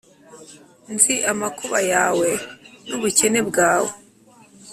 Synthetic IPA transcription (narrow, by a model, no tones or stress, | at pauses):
nziʔamakuβajaːwenuβuce̞ne̞bɡaːwe